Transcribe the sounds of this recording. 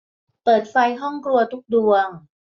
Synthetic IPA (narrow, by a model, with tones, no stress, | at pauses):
pɤː˨˩t̪̚fa˧jɦɔ˥˩ŋkɾu˧ɐt̪ʰu˦˥k̚du˧əŋ